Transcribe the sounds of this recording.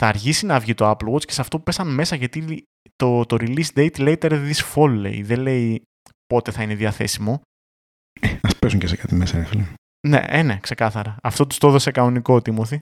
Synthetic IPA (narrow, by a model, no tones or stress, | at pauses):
θɐːɾçisinɐvʝit̪oɐploɣot͡sce̞sɐft̪o̞pu̥pesɐnme̞sɐʝɐt̪i | t̪ot̪oɾilisd̪ejt̪leit̪eɾðisfolːḛḭðele̞i | po̞t̪e̞θɐineðiɐθe̞̰simo̞ | eɐspesuŋcesekɐt̪imesɐnefilɐm | ne̞̰ʔenekse̞kɐθɐɾɐɐft̪ot̪u̥st̪oðosekɐnonikot̪imoθi